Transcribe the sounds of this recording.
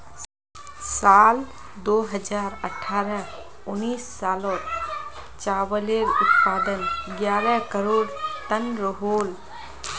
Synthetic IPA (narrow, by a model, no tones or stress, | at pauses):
saːl | d̪oːɦəd͡ʒaːɾəʈʰːaːɾə̃ | uniːsːaːlɔːt̪ | t͡ʃaːwəleɾʊt̪paːd̪ənɡjaːɾə̃kəɾoːɽt̪ənɾoɦoːl